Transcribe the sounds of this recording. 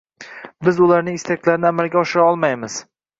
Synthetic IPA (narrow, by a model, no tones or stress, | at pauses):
bɪzʊlaɾnɪŋɪst̪ʰakʰʲlaɾɪnɪamalɡʲaɒʃɪɾaɒlˠmajmɪz̥